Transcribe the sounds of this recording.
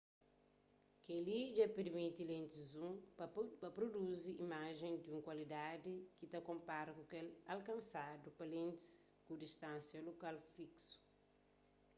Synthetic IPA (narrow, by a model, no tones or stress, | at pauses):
kelid͡ʒɐpeɾmit̪ilẽnt̪izũpɐpɾoduziimaʒẽnd̪iũŋkwɐlid̪ad̪ikit̪ɐkõmpaɾɐkukɛlalkɐ̃nsadupɐlẽnt̪i̥skudiʃt̪ãnsjɐlokalfiksu̥